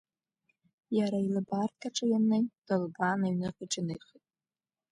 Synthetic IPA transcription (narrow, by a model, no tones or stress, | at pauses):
jaɾailɨbartkʰʼaʈ͡ʂʼɨjanːejd̥ɨlbanaɥnɨħɨʈ͡ʂɪnɨjχitʼ